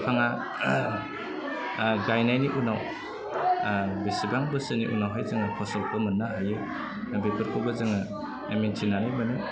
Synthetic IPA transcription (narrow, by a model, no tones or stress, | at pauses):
pʰaŋa | ɡajnajniʔunaw | besibaŋbɯsɯnḭʔṵnawɦajzɯŋɯkʰɔsɐlpʰɯmɯnːaɦajɯ | bepʰɯɾkʰobɐzɯŋɯ | ementʰinanɯjmɯnɯ